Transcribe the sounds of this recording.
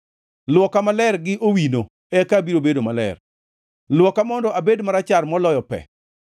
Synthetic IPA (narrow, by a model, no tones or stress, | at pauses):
lwɔkamalɛrɡɪʔowino | ɛkabiɾobedomalɛ̰r | lwɔkamɔndɔʔabedmaɾat͡ʃarmɔlɔjɔpɛ̰